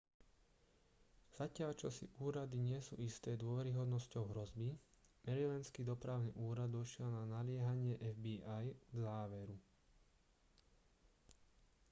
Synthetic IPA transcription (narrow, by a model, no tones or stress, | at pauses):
z̥acɪaʎt͡ʃɔsḭʔuːɾad̪iɲɪɛsṵːist̪ɛːd̪ʊɔʋɛɾiɦɔd̪nɔscɔʊɦɾɔzbimɛɾilɛnskiːd̪ɔpɾaːʊnḭʔuːɾad̪dɔʃɪɛlnanalɪɛɦaɲɪɛʔɛvbiajɡzaːʋɛɾu